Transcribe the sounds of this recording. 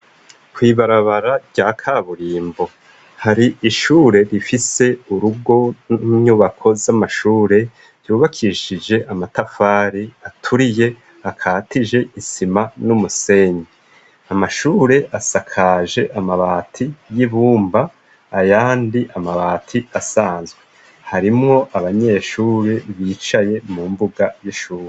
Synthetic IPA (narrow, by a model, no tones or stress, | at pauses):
kwiːβaɾaβaɾaɾɟ̥aːkʰaβuɾiːmbo̞ | haɾiʔiʃuːɾe̞ɾifise̞uɾuɡo̞nuɲuːβakʰo̞zamaʃuːɾe̞ | ɾjuːβakʰiʃid͡ʒe̞ʔamatafaːɾiatʰuɾije̞ | akʰaːtid͡ʒe̞ʔisimanumuse̞ɲi | amaʃuːɾe̞ʔasakʰaːʒe̞ʔamaβaːtʰijiβuːmbaː | jaːndiʔamaβaːtʰiasaːnzɡwe | haɾimŋo̞ʔaβaɲe̞ːʃuːɾiβiːt͡ʃaje̞mumbuɡajiʃuːɾe